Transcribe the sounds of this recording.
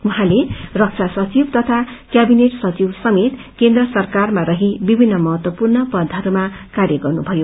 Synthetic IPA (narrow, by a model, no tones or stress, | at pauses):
wuɦãlerʌk̚t͡sʰasʌt͡sibt̪ʌt̪ʰakjabineʈsʌt͡sibsʌmet̪ | kend̪rʌsʌrkarmarʌɦibibʱinːʌmʌɦʌt̪wʌpurnʌpʌd̪ʱʌɾumakarjʌɡʌrnubʱʌjo